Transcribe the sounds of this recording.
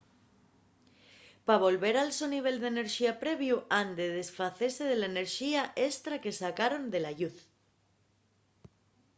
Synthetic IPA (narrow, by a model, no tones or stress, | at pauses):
paβ̞o̞lβe̞ɾalsoniβ̞e̞ld̪e̞ne̞ɾʃiapɾe̞β̞juʔand̪eðe̞sfaθese̞ðe̞laene̞ɾʃiaʔe̞st̪ɾake̞sakaɾo̞nd̪e̞laʎuθ